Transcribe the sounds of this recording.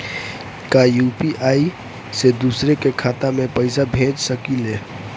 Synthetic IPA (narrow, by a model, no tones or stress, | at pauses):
kajupiʔai | sed̪usɾekekʰat̪amepəɪsabʱẽd͡ʒsəkile